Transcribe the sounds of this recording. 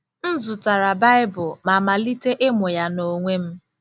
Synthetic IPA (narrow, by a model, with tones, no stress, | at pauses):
n̩˦zʊ˨ta˨ɾa˨ba˦ɪ˦bʊ˨ma˨ma˨li˦te˦ʔe˦mo˨ja˦no˨ŋʷe˦m̩˦